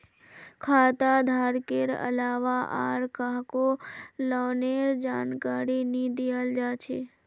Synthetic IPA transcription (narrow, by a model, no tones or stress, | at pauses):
kʰaːt̪ad̪ʱaːɾkeɾə̰laːʋaʔa̰ːɾkaɦkolɔːneːɾd͡ʒaːnkaːɾinĩd̪ejəld͡ʒaːt͡ʃʰeː